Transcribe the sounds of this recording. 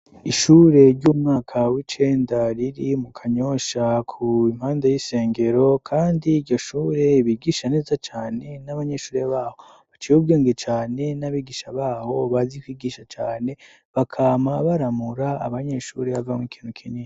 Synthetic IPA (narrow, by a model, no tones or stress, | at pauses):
iʃuːɾe̞ɾɟuːmŋaːkʰawit͡ʃe̞ːndaɾiɾimukʰaɲo̞ʃakʰuim̥haːndajise̞ːŋɡe̞ɾo̞kʰaːndiːɾɟo̞ʃuːɾe̞βiɡiʃane̞ːzat͡ʃaːne̞naβaɲe̞ʃuːɾe̞βaːho̞ | βat͡ʃijubɡeːŋɡet͡ʃaːne̞naβiɡiʃaβaːho̞βazikwiːɡiʃat͡ʃaːne̞ | βakʰaːmaβaɾamuɾaa̰βaɲe̞ʃuɾe̞βavamŋwikʰiːn̥hukʰiɲiːa